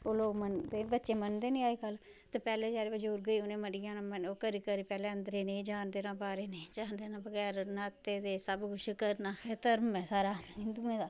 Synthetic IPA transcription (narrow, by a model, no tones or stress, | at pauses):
oːloːɡmənd̪eːbətːʃeːmənd̪eːnẽːaːikəl | t̪epɛːleːd͡ʒaːɾeːbəd͡ʒuːɾɡəiːʊnẽːməɽijãːnːməoːkəɾiːkəɾiːpɛːleːənd̪ɾeːnẽid͡ʒaːnd̪eːnãːbaːɾeːned͡ʒaːnd̪eːnãːbəɡɛːɾnat̪eːd̪eːsəbɡʊʃkəɾnaːxʰɛːt̪əɾmɛ̃ːsaːɾaːid̪uːẽːd̪aː